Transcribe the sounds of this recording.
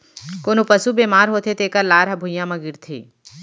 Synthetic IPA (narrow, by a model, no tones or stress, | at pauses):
koːnopəsubeːmaːɾɦoːt̪ʰet̪eːkəɾlaːɾɦɐbʱʊjãmɐ̃ɡɪɾt̪ʰḛː